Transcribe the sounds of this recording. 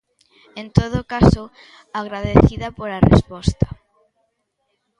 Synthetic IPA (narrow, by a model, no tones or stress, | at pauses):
ẽnt̪oð̞ʊkaso | aɣɾaðeθiðapoɾarḛspɔst̪ɐ̥